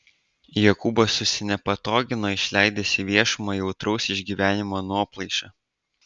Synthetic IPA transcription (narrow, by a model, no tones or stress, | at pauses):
jɛkubosʊsʲɪnʲɛpɐt̪oːɡʲɪnoːɪʃʲlʲæˑɪd̪ʲeːsʲɪʋʲiɛʃʊmɑjɛʊt̪ɾɒʊsɪʒʲɡʲiːʋʲæːnʲɪmoːnuɔplˠɐɪʃɑː